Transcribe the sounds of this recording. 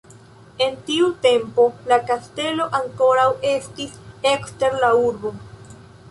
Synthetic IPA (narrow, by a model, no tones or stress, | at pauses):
e̞ntiute̞mpo̞lakaste̞lo̞ʔaŋko̞ɾawe̞stise̞kste̞ɾlauɾbo̞